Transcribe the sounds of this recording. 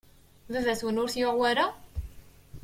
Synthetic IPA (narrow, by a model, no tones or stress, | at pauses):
ðəðæswənʊɾθjʊʕwæɾa